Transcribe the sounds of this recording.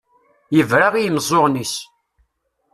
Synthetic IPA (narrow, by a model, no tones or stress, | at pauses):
jəvɾaʁijəmzˤoʁnis